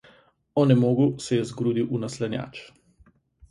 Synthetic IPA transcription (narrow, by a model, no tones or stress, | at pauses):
ɔnɛmoːɡusɛjɛzɡɾuːd̪iwʔunaslɛnʲja̰ːt͡ʃ